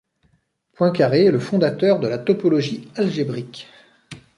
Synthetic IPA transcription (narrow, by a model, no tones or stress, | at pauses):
pwɛ̃kaʁeləfɔ̃d̪at̪œʁd̪əlat̪ɔpɔlɔʒialʒebʁik